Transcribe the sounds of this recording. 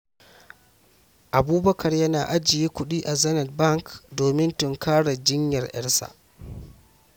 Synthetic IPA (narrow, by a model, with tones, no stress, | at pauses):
ʔa˨buː˦bɐ˦kʰɐ˨rjɐ˦naː˨ʔa˦d͡ʒɪ˨jeː˦kʷʊ˦ɗiː˦ʔa˨zɐ˦nɛ˨t̚bɐ˦˨ŋkdoː˨mɪ˦ntʊ˨ŋkaː˦ɽa˨d͡ʒɪ˦ɲjɐ˨rʔɛ̰˦ɽsa̰˨